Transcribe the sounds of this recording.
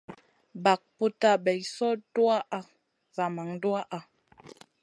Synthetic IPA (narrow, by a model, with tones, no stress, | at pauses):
ba˨k̚pu˦ta˦˨bɛ˨jsɔ˦dwa˦ʔa˦ | za˨ma˨ŋdwa˦ʔa˦